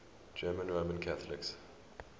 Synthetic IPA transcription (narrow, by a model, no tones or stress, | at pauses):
d͡ʒɜːmə̃nɹoːmə̃nkʰaθəlɪks